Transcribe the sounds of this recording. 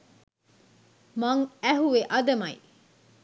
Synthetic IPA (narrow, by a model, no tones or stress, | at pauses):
mɐŋæɦuʋeʔɐd̪ɐmɐi